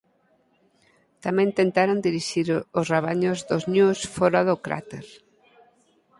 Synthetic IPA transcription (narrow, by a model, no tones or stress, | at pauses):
t̪amɛ̃nt̪ent̪aɾond̪iɾiʃiɾʊsraβaɲʊzðoznusfɔɾaðʊkɾa̰t̪eɾ